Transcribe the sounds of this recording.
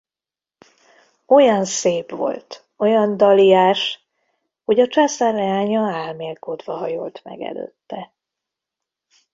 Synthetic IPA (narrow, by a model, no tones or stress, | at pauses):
o̞jɒnseːpʋo̞̰lt̪ | o̞jɒnd̪ɒlijaːʃ | ho̞ɟɒt͡ʃaːsarːɛaːɲɒaːlmeːlkod̪vɒɦɒjo̰lt̪mɛ̰ɡɛ̰lø̰ːt̪ːɛ